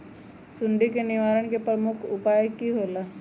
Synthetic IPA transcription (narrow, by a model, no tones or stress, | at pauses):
sund̪ʱikeniʋaːɾəɳ̃kepɾəmʊkʰupajəkːiɦola